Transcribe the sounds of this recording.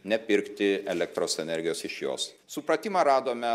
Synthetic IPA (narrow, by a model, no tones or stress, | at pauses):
nʲɛpʲɪɾkt̪ʲɪɛlʲɛkt̪ɾoːsɛnʲɛɾʲɡʲɪjoːsɪʃjo̰ːs | sʊpɾɐt̪ʲiːmɐɾɑːd̪oːmʲɛ